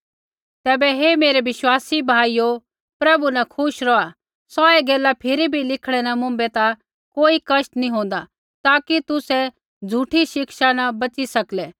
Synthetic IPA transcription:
t̪ɛːbɛɦemeːɾɛʋɪʃwaːsibʱaːijo | pɾɐbunakʰʊʃɾɔa | sɔɛɡeːlapʰɪɾibʱilɪkʰɽ̃ɛnamʊ̃mbɛt̪a | koːikɐʃt̪nĩɦõːn̆d̪a | t̪aːkit̪ʊsɛ | d͡zʱuʈʰiʃɪkʃanabɐt͡sisɐklɛ

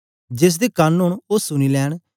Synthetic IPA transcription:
d͡ʒɪs̬d̪eːkənɦʊɳoːsʊniːlɛːɽ̃

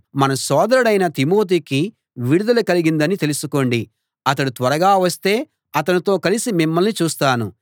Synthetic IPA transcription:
mɐnɐsɔːd̪ɐɾɐɽɐjnɐt̪imoːt̪̬iːki | ʋiɽud̪ɐlɐkɐliɡind̪ɐnit̪elusuko̞ːɳɖi | ɐt̪̬ɐɽut̪ʋɐɾɐɡaːʋɐst̪e̞ː | ɐt̪̬ɐnit̪o̞ːkɐlisimimːɐlnit͡ʃuːst̪aːnu

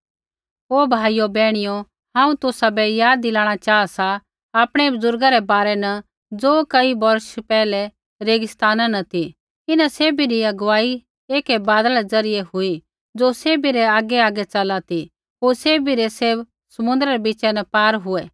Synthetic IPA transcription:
ɦoːbʱaːijobɛːɽ̃ɪjo | hãːũt̪ʊsabɛjaːd̪ːɪlaːɽ̃at͡ʃaːasa | aːpɽ̃ɛbʊzʊɾɡaɾɛbaːɾɛnɐ | d͡zoːkɐibɐɾʃpɛːlɛ | ɾeːɡɪst̪aːnanɐt̪i | ɪnaseːbiɾiɐɡʊʋaːi | eːkɛbaːd̪aɾɛd͡zɐɾɪjɛɦʊi | d͡zoːseːbiɾɛaːɡɛaːɡɛt͡ʃɐlat̪i | ɦoːɾseːbiɾɛseːb | sɐmʊ̃nd̪ɾaɾɛbɪt͡ʃɛnɐpaːɾɦʊɛ

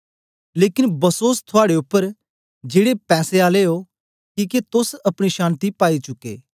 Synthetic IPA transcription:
leːkɪnbɐsoːst̪ʰʊaːɽeʊpːəɾ | d͡ʒeːɽepɛːseaːleɦo | kiːket̪ʊsɐpɽ̃iʃãːnt̪ipaːit͡ʃʊkːḛː

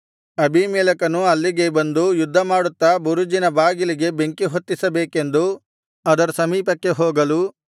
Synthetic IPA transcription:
ɐbʱimɛːlɐkɐnuɐlːiɡe̞bɐnd̪ujud̪ʱːɐmaːɽut̪ːɐbuɾud͡ʒinɐbaːɡiliɡe̞be̞ŋkiɦot̪ːisɐbeːke̞nd̪u | ɐd̪ɐɾɐsɐmiːpɐkːe̞ɦoːɡɐlu

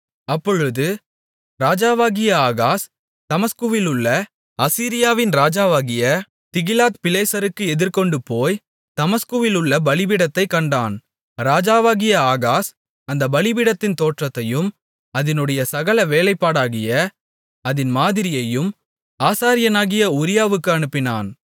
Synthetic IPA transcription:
ɐpːɔɻɯðɯ | ɾaːd͡ʒaːʋaːɣɪjɐaːɣaːs | t̪ɐmɐskuʋɪlɯɭːɐ | ɐsiːɾɪjaːʋɪnɾaːd͡ʒaːʋaːɣɪjɐ | t̪ɪɣɪlaːt̪pɪleːsɐɾɯkːɯɛðɪɾkɔɳɖɯpoːj | t̪ɐmɐskɯʋɪlɯɭːɐbɐɭɪbɪɽɐt̪ːɐɪkːɐɳɖaːn | ɾaːd͡ʒaːʋaːɣɪjɐaːɣaːs | ɐnd̪ɐbɐɭɪbɪɽɐt̪ːɪnt̪oːʈrɐt̪ːɐjɯm | ɐðɪnɯɽɐjɐsɐɣɐlɐʋeːlɐɪpːaːɽaːɣɪjɐ | ɐðɪnmaːðɪɾɪjɐjɯm | aːsaːɾɪjɐnaːɣɪjɐʊɾɪjaːʋɯkːɯɐɳɯpːɪna̰ːn

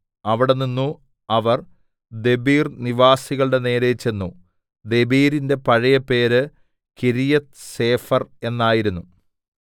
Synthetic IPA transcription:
ɐʋiɽe̞ninːu | ɐʋɐr | d̪e̞biːrniʋaːsiɣɐɭɨɽe̞ne̞ːɾet͡ɕe̞nːu | d̪e̞biːɾinde̞pɐɻɐjɐpe̞ːɾɨ | kiɾijɐt̪se̞ːfɐre̞nːaːjiɾunːu

